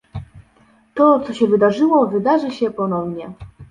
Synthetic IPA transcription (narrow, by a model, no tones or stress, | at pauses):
t̪ɔt̪sɔɕɛvɘd̪aʐɘwɔvɘd̪aʐɘɕɛpɔnɔvɲɛ